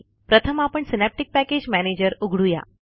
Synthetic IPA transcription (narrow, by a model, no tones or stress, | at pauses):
pɾət̪ʰəmapəɳsinɛp̚ʈik̚pæked͡ʑmæned͡ʑəɾuɡʱɽuja̰